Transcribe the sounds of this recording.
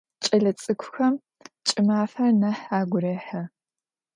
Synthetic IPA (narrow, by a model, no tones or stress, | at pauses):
t͡ʃʼɐɮɐt͡sʼɨkʷʰʊxɐm | t͡ʃʼɪmaːfɐrnɐħaːɡʷʊɾeːħɐ